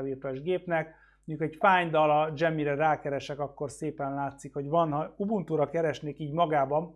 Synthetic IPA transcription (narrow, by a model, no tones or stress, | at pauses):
virt̪oʒɡeːpnɛk | muɲɟukhɒɛcfaːɲd̪ɒlɒd͡ʒɛmːiɾɛɾaːkɛɾɛʃɛkɒkːo̞rseːpɛnlaːt̪sikho̞ɟʋɒnɦɒubunt̪uɾɒkɛɾɛʃneːkiːɟmɒɡaːbɒn